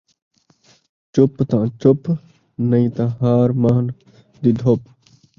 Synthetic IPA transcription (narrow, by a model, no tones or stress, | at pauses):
t͡ʃʊpt̪ãːt͡ʃʊp | nɐĩːt̪ãːɦaːɾmaɦn | d̪iːd̪ʱop